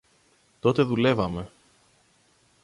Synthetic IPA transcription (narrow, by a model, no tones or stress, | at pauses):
t̪o̞t̪e̞ðule̞vɐme̞